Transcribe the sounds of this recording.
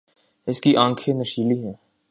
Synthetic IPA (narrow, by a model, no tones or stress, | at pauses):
ɪskiʔãːŋkʰenɐʃiːliɦɛ̃ː